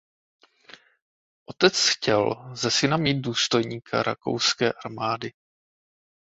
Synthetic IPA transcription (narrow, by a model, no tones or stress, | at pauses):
ʔo̞t̪ɛt͡sxcɛlzɛsɪnamiːd̪̚duːst̪o̞jɲiːkʰa̰ɾa̰ko̞̰wskɛːʔaɾmaːdɪ